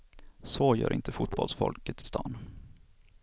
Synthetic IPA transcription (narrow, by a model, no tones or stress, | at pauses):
soːjœ̰ːɾʔɪnt̪ʰəfʊt̪̚bɔlsfɔlkət̪ʰːɪ̥st̪ʰɑːn